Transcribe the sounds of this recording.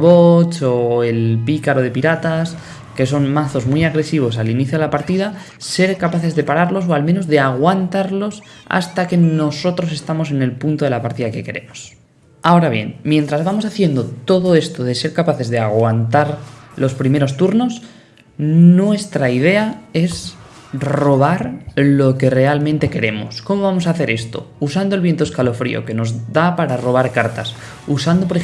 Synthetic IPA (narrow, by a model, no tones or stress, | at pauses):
βot͡ʃo̞elpikaɾo̞ðe̞piɾat̪as | ke̞so̞nmaθozmwiaɣɾe̞siβ̞o̞saliniθjoð̞elapaɾt̪iða | se̞ɾkapaθe̞zðe̞paɾaɾlo̞s̬o̞almeno̞zðe̞aɣ̞want̪aɾlo̞s | a̰st̪ake̞no̞so̞t̪ɾo̞s̬e̞st̪amo̞se̞ne̞lpunt̪o̞ðe̞lapaɾt̪iðake̞ke̞ɾe̞mos | ao̞ɾaβje̞̰nmje̞nt̪ɾazβamo̞saθje̞nd̪o̞t̪o̞ðo̞e̞st̪o̞ð̞e̞se̞ɾkapaθe̞zðe̞aɣwant̪aɾlo̞spɾime̞ɾo̞st̪uɾno̞s | nwe̞st̪ɾaið̞e̞ae̞s | ro̞β̞aɾlo̞ke̞re̞almẽnt̪e̞ke̞ɾe̞mo̞̰sko̞mo̞βamo̞saːθe̞ɾe̞st̪o̞̰usand̪oe̞lβje̞nt̪oeskalo̞fɾḭo̞̰ke̞no̞zdapaɾaro̞β̞aɾkaɾt̪as | usand̪o̞p̬ɾe